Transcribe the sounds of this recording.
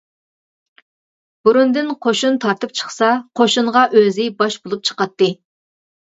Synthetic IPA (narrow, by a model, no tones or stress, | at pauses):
b̥uɾund̪ɨnqʰoʃunt̪ʰɑɾt̪ɨp̚t͡ʃʰə̥χsɑqʰoʃuɴʁɑʔøzɪbɑʃbolˠup̚t͡ʃʰə̥qɑt̪ːɨ